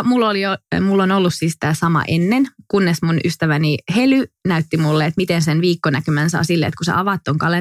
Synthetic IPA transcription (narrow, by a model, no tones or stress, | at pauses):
mulːoliomulːonolːussiːst̪æːsɑmɑ̰ʔenːenkunːesmunʔyst̪æʋænihelynæyt̪ːimulːeet̪mit̪ensenʋiːkːonækymænsɑ̰ːsilːeḛt̪kusḛɑʋɑt̪ːoŋkɑle